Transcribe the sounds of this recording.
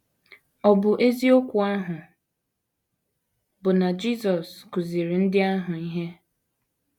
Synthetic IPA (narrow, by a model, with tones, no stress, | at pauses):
ɔ˨bʊ˨ʔe˦zi˦o˦kʷʊ˨a˦ɦʊ˨ | bʊ˨na˨d͡ʒi˦sɔ˨skʊ˨zi˨ɾi˨n̩˦dɪ˦a˦ɦʊ˨i˦ɦe˦